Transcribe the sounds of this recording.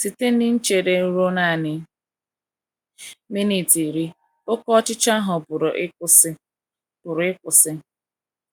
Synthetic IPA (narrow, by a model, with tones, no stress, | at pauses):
si˨te˦n˦ɪ˦n̩˦t͡ʃe˨ɾe˨˦ɾo˦na˦˨nɪ˨ | mi˦ni˨ti˨ɾi˦ | o˦kɔ˦t͡ʃɪ˦t͡ʃa˦ɦʊ˨pʊ˨ɾʊ˨ʔʊ˦sɪ˦ | pʊ˨ɾʊ˨ɪ˦kʷʊ˨sɪ˦